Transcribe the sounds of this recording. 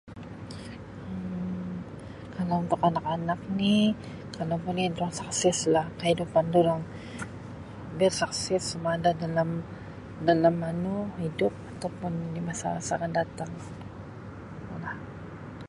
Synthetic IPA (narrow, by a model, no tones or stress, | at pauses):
ə | kʰalaʊnt̪ʊkanakanak̚ni | kalapʊniduɾaŋsaksɛslahkəhidupanduɾaŋ | abɛrsaksɛsːumadadalam | dalamːanuhidʊp̚at̪awpʊndimasa̰sakandat̪aŋ | lah